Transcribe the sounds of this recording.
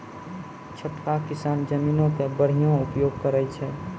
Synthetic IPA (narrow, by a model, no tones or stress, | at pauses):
t͡ʃʰəʈkakɪsaːnd͡ʒəmiːnõkebəɽ̤ijõupjoːɡ̚kəɾɛt͡ʃʰɛ